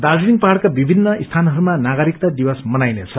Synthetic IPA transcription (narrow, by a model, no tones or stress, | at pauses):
d̪ad͡zuiŋnpaɦaɽkabibʱinːʌist̪ʰanɦʌɾumanaɡʌɾik̚t̪ad̪iwʌsmʌnajnet͡sʰʌ